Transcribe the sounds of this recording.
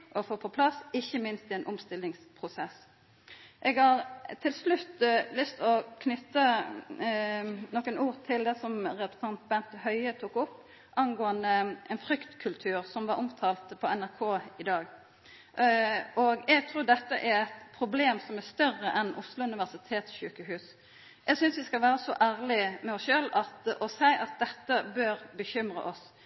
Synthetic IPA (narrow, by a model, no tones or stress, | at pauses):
ʔɔfoːpʰɔpʰlɑsɪçːəmɪnst̪ɪɛːnʔɔmst̪ɪlɪŋspʰʁʊsɛs | ʔɛɡhɑʁt̪ʰɪlslʉt̪lʏst̪ɔkʰnʏt̪ːə | nɔkənuːʁt̪ʰɪld̪ɛsɔmʁɛʊsɑnt̪̚bɛnt̪hœʏət̪ʰuːkʊpː | ʔɑnɡoːənd̪əɛnfɾʏkt̪kʰʉlt̪ʰʉːʁsɔmʋɑɾʔɔmt̪ʰɑːlt̪pʰɔɛnæʁkʰoːɪd̪ɑːɡ | ɔɡɛɡt̪ʰɾuːd̪ɛt̪ːəʔæɾɛt̪pʰʁʊbleːmsɔmæst̪œrəʔɛnʔʊslʊʉnɪʋæʁsɪt̪ʰeːt̪sʃʉːkəɦʉːs | ʔɛɡsʏnsʋɪskɑlʋæːʁəsɔ̰ʔæːʁlɪmɛɔsʃøːlɑt̪ʔɔsæɪʔɑt̪̚d̪ɛt̪ːəbøɾbəçʏmɾə̰ʔɔs